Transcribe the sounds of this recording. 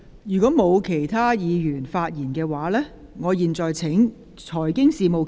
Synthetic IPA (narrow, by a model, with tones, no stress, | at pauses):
jyː˨˩kʷɔː˨˥mo˨˧wkʰe˨˩jt̪ʰaː˥jiː˨˧jyː˨˩nfaː˧t̚jiː˨˩nkɛː˧waː˨˧lɛː˥ | ŋɔː˨˧jiː˨nt͡sɔː˨jt͡sʰɪ˨˥ŋ | t͡sʰɔː˨˩jkɪ˥ŋsiː˨mo˨w